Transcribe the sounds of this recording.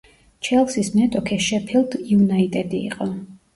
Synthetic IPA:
t͡ʃʰɛlˠsisnɛt̪ʼɔkʰɛʃɛpʰilˠd̪junait̪ʼɛd̪ḭːqʼɔ

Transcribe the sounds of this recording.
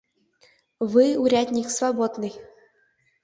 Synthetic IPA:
vɨuɾʲad̪ʲnʲiksvabod̪nɨj

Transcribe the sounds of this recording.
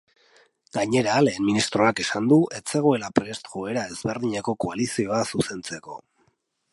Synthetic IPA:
ɡaɲe̞ɾaːle̞ːnminist̪ɾo̞ake̞sand̪uʔe̞t͡se̞ɣ̞oe̞lapɾe̞st̪ʝoe̞ɾae̞zβe̞ɾðiɲeko̞ko̞alisio̞asuse̞nt͡se̞ko̞̰

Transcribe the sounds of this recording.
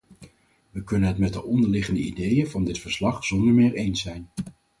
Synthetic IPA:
ʋəkɵnənɦətmɛt̚dəʔɔndəɹlɪχəndəḭdejəvɑndɪtfəɹslɑχz̥ɔndəɹmɪːɹejnsɛjn

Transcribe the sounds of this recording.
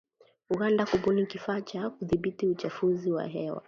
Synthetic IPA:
uɡandakuɓunikifaːt͡ʃakuðiɓitiut͡ʃafuziwa̰ɦɛwa̰

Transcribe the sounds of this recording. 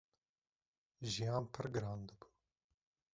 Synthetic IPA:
ʒijaːmpʰɐɾɡɾaːnd̪əbu

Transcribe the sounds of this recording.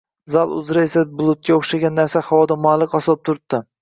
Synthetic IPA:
zalˠʊ̰zɾaesabʊlˠʊt̪̚kʲaoχʃaɡʲanːaɾsahawɒd̪amalˠːɪqɒslˠp̚t̪ʰʊɾɪp̚d̪̥ɪ

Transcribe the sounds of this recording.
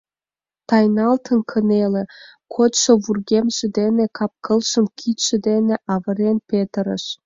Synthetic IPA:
t̪ɑjnɑlt̪ʰə̆nkʰə̆nelĕkʰot̪ʃŏβurɣemʒĕd̪enekʰɑp̚kəlʃə̆mkʰit̪ʃĕd̪eneʔɑβə̆ɾenpet̪əɾə̰ʃ

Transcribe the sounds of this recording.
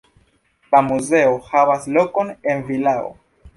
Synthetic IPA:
lamuze̞ohavaslo̞ko̞nenvilao̰

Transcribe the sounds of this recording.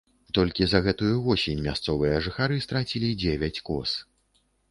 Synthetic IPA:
t̪ɔlʲkʲizɐɣɛt̪ujuvɔsʲenʲmʲast̪sɔvɨjɐʐɨxaɾɨst̪ɾat͡sʲilʲid͡zʲevʲat͡sʲkɔ̰s

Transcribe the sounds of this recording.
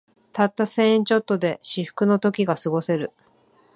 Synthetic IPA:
t̪at̪ːasẽ̞ɰ̃ẽɲt͡ɕo̞t̪ːo̞d̪e̞ɕiɸɯ̟̥kɯ̟no̞t̪o̞kʲiɡasɨɡo̞se̞ɾɯ̟

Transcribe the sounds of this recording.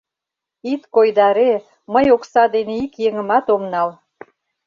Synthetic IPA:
it̪kojd̪ɑɾe | məjoksɑd̪eneikjeŋə̆mɑt̪omnɑl

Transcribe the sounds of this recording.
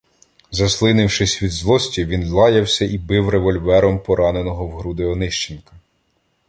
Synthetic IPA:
zɐslˠɪnɪwʃɪsʲʋʲid̪zlˠɔsʲtʲiʋʲinlˠɑjɐwsʲɐʔibɪwreʋɔlʲʋɛɾɔmpɔɾɑnenɔɦɔwɦɾud̪ɪɔnɪʃt͡ʃenkɐ̥

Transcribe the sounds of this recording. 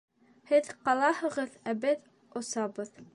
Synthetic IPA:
hɘðqɑlˠɑhɤ̆ʁɤðæbɘð | ŏsɑβɤð

